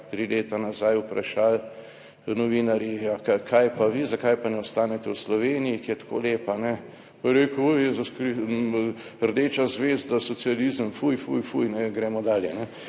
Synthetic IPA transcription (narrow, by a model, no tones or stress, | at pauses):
t̪ɾileːt̪anazajʊpɾa̰ʃaːl | nɔʋinaɾjijakakʰajpaʋizakajpanɛɔst̪aːnɛt̪ɛwslɔʋeːnijikijɛt̪ḁkʰo̰ːleːpanɛ | pɔjɾeːkujezuskɾi | ɾd̪eːt͡ʃazʋezd̪asɔt̪sializəmfujfujfujnɛɡɾɛmɔd̪aːljɛnɛ